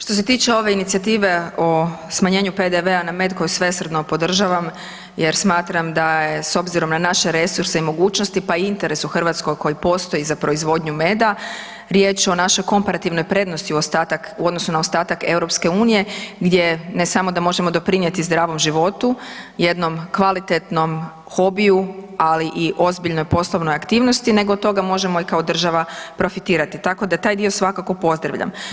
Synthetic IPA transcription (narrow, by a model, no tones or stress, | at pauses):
ʃt̪o̞s̬e̞t̪iːt͡ʃeo̞ʋe̞init̪siat̪iːʋe̞o̞smaɲe̞ːɲupe̞d̪eʋe̞aname̞d̪ko̞jusʋe̞sr̩d̪nopo̞d̪r̩ʒaʋam | jeɾsmaːt̪ɾamd̪ajeso̞bziɾo̞mnanaʃe̞ɾe̞suɾse̞imo̞ɡuːt͡ʃnost̪ipaiint̪e̞ɾe̞suxr̩ʋat̪sko̞jko̞jipo̞st̪o̞jizapɾo̞izʋo̞d̪ɲume̞ːd̪a | ɾje̞ːt͡ʃo̞naʃojko̞mpaɾat̪iʋno̞jpɾe̞d̪no̞st̪iuost̪at̪akuod̪nosunaost̪aːt̪ake̞wɾo̞pske̞uːnije̞ɡd̪je̞ne̞samo̞d̪amo̞ʒe̞mo̞d̪o̞pɾinje̞t̪izd̪ɾaːʋo̞mʒiʋo̞t̪uje̞d̪no̞mkʋalit̪et̪no̞m | xo̞biualiʔiʔo̞zbiʎno̞jpo̞slˠoʋnojakt̪iːʋnost̪ine̞ɡot̪o̞ɡamo̞ʒe̞mo̞ikao̞d̪r̩ʒaʋapɾo̞fit̪iːɾat̪it̪ako̞d̪at̪aːjd̪io̞sʋakako̞po̞zd̪ɾa̰ʋʎa̰m